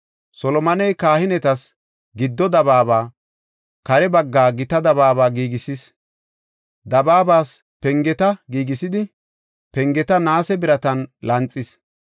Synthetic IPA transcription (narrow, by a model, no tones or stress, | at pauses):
sɔlɔmɐnɛjkaːhɪnɛt̪ɐs | ɡɪd̪ːɔd̪ɐβaːbaː | kɐɾɛbɐɡːaːɡɪt̪ɐd̪ɐβaːβaːɡiːɡɪsis | d̪ɐbaːbaːs | pɛŋɡɛt̪ɐɡiːɡɪsɪd̪ɪ | pɛŋɡɛt̪ɐnaːsɛbɪɾɐt̪ɐnlɐnt͡sʼːɪs